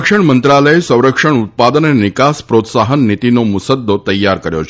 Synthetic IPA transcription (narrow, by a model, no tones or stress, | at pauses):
kʂəɳmənt̪ɾaləesə̃w̃ɾəkʂəɳ̃ut̪̚pad̪ənenɪkaspɾot̪saɦənːit̪inomusəd̪ːot̪əjːaɾkəɾjo̰t͡ʃʰ